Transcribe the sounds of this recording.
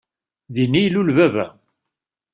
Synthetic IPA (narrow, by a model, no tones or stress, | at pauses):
ðinːijlulvævæ̰